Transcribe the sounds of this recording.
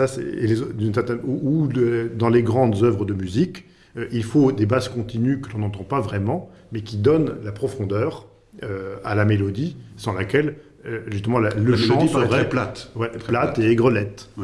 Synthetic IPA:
sasɛ̰ḛlezod̪yns̬ɛʁt̪ɛ̃nuuød̪ɑ̃leɡʁɑ̃d̪zœvʁəd̪əmyzik | øʔilfod̪ebazkɔ̃t̪inykəlɔ̃nɑ̃t̪ɑ̃pavʁɛmɑ̃ | mɛkʲid̪ɔnlapχɔfɔ̃d̪œʁ | øalamelɔd̪isɑ̃lakʲɛl | øʒyst̪əmɑ̃laləʃɑ̃səʁɛɛplat̪wɛplat̪eɛɡʁəlɛt̪

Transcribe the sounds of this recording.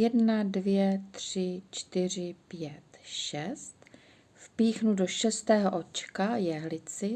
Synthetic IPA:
jɛdnadvjɛt̪r̥ɪt͡ʃt̪ɪr̝ɪpjɛt̪ʃɛst̪ | fpiːxnudo̞ʃɛst̪ɛːɦoʔo̞t͡ʃkajɛɦlɪt͡sɪ

